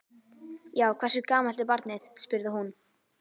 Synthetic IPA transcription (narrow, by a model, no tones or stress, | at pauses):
jaːwkʰvɛrsʏkaːmalt̪ɪɾpaɾt̪nɪθspʏɾðɪɦun